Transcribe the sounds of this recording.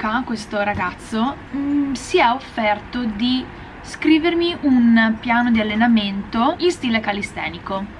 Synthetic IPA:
kakwest̪oɾaɡat̪sːo | siɛofːɛrt̪od̪i | skɾiːvermiʔunpjaːnod̪ialːenament̪oinst̪iːlekalist̪ɛ̰ːniko

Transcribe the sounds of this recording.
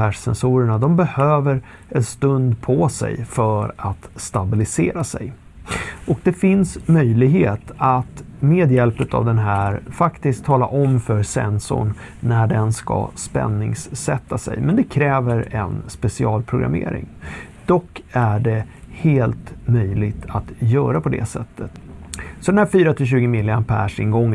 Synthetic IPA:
æːʂsɛnsuːɾəɳad̪ɔmbɛhøːvəɾ | ɛnst̪ɵnd̪pʰɔsɛ̰jfœɾat̪st̪abɪlɪseːɾasɛ̰j | ʔɔk̚d̪ɛfɪnsmœjlɪɡheːt̪at̪meːd̪jɛlpɵt̪a̰vd̪ɛnɦæːɾfakt̪ɪskt̪ʰːɑːlaʔɔmfœɾsɛ̰nsʊ̰ɳː | æɖɛnska̰spɛ̰nːɪŋsːɛt̪ːasɛ̰jmɛnd̪ɛkʰɾɛːvəɾɛ̰nspɛsɪɑːlpʰɾʊɡɾa̰mḛːɾɪ̰ŋd̪̥ɔkːæɖɛ | heːlt̪mœjlɪɡt̪ʰat̪jœːɾapʰɔd̪ɛ̰sɛ̰t̪ʰːət̪sɔd̪ɛnæːɾfyːɾat̪ʰɪlɕʉ̟ːɡəmɪlːɪanpʰæʂɪnɡɔŋː

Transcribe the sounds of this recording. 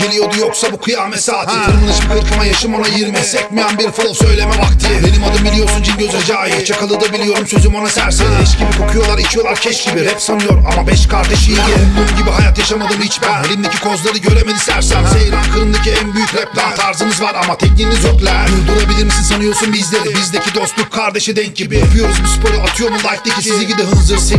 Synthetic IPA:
elʲijo̞d̪ujoksabukʰɯjamɛsaatɯɯɾmɯnˠaʃɯp̚kʰɯɾkʰamajaʃɯmo̞najɯɾmisɛcmijanbiɾfɯlˠosø̞jlʲe̞mɛbakt̪ʰɯbenimad̪ɯmbilʲijo̞ɾsund͡ʒinɟøzyɾd͡ʒaajɯt͡ʃʰakʰalˠɯd̪abilʲijo̞ɾumsø̞zymo̞nasæɾsed̪iʃt͡ʃɟibikʰo̞kʰujo̞lˠaɾit͡ʃʰijo̞lˠaɾcʰɛt͡ʃɟibiɾɛpsanɯjo̞ɾma̰mabɛʃkʰaɾd̪eʃɯjbununɟibiɦajat̪jaʃamad̪ɯmit͡ʃbænelʲimd̪ecʰi̥kʰo̞zlˠaɾɯɟø̞ɾemenʲist̪ʰæɾsæmsejɾankʰɯlˠɯnd̪aciænbyjyclʲɛp̚lʲat̪ʰaɾzɯmɯzvaɾamat̪ʰɛcnilʲizjoklʲæid̪uɾˠabilʲiɾmisinsanɯjo̞ɾsunbizd̪lʲeɾbizd̪ecʰid̪o̞st̪lˠukkʰːaɾd̪eʃɛd̪ɛɲ̚ɟibijapʰɯjo̞ɾuzmuspʰo̞ɾiat̪ʰɯjo̞ɾmunˠajk̚t̪icʰisizicid̪ɛɦɯnzɯɾsi

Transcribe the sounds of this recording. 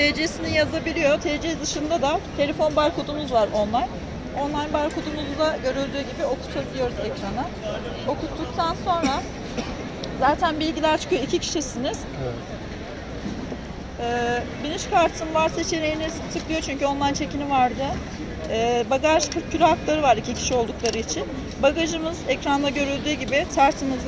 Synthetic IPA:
t̪ʰed͡ʒesinijazabilʲijo̞t̪ʰed͡ʒed̪ɯʃɯnd̪ad̪at̪ʰe̞lʲefo̞nbaɾkod̪umuzvaɾo̞nlˠaj | o̞nlˠaj̪baɾkʰod̪umuzud̪aɟø̞ɾylʲd̪yːɟibio̞kʰu̥t̪ʰabilʲijo̞ɾuzɛcɾanɯ | o̞kʰut̪ʰːuk̚t̪ʰanso̞nɾa | zaːt̪ʰænbilʲɟilʲæɾt͡ʃʰɯ̥kɯjoicʰicʰi̥ʃisiniz̥ | ɛːbiniʃkʰaɾt̪ʰɯnvaɾse̞t͡ʃʰe̞ɾe̞jinizt̪ʰɯklˠɯjot͡ʃʰyɲcyo̞nlˠajnt͡ʃʰe̞cinivaɾd̪ɯː | baɡaʒk̪ʰɯcʰyɾʲyɦaklˠaɾɯvaɾicʰicʰi̥ʃio̞lˠd̪uklˠaɾɯit͡ʃʰin | baɡaʒɯmɯzɛcɾand̪ˠaɟø̞ɾylʲd̪yːɟibɪt̪ʰæɾt̪ʰimiz

